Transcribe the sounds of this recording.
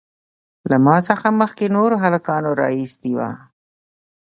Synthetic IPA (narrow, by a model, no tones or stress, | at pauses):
lamɑsəxaməxkenoɾoɦalakɑnoɾɑ̰isd̪iwa̰